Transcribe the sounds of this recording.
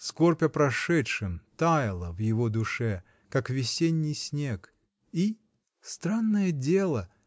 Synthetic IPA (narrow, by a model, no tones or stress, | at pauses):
skorpʲəpɾɐʂɛtʂɨmt̪ajɪlˠəvjɪvod̪ʊʂɛ | kakvʲɪsʲenʲːɪjsʲnʲe̞k | i | st̪ɾanːəjədʲe̞lˠə